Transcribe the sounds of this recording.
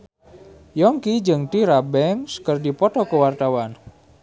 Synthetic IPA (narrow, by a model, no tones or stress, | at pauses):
jɔŋkid͡ʒɨŋt̪iɾabɛŋskərdipɔt̪ɔkəwart̪awan